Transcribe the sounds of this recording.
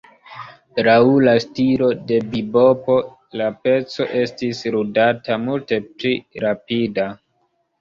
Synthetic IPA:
tɾaulastilo̞de̞bibo̞po̞ | lape̞t͡so̞̰ʔe̞stisɾudatamulte̞pliɾapida

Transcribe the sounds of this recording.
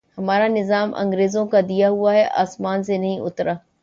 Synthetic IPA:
hɐmaːɾanɪzaːmɐ̰̃ŋɡɾeːzõkad̪ijaɦuaɦɛʔa̰ːsmaːns̬enɐɦĩʔʊt̪ɾaː

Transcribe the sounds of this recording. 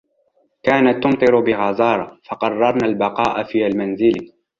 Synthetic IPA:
kaːnat̪ːʊmt̪ˤɨɾʊbɪɣɑzɑːɾˤɑfɑqɑrˤːɑɾˤnaːlbɑqɑːʔafiːʔalmanzɪl

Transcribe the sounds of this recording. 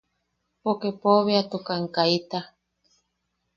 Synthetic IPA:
pokepoβeat̪ukaŋkait̪a

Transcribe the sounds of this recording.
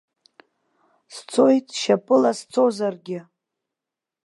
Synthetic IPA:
st͡sʰo̞jtʼʃapʼɨlast͡sʰozarɡʲɪ

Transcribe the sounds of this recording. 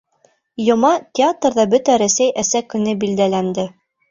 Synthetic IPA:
jŏmɑt̪ʲɪat̪rðɑbɵt̪æɾæsæjʔæsækɵ̆nɘbild̪ælænd̪ɘ

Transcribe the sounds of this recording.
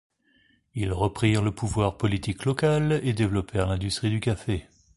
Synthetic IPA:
ilʁəpχiʁləpuvwaʁpɔlit̪ʰiklɔkaled̪evlɔpɛʁlɛ̃d̪yst̪χid̪ykafe

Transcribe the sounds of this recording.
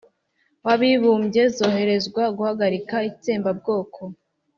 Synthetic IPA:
waβiβuːmbɟe̞zo̞ːɦe̞ɾe̞zɡwaɡuhaɡaɾikait͡seːmbab̚ɡo̞ːkʰo̞

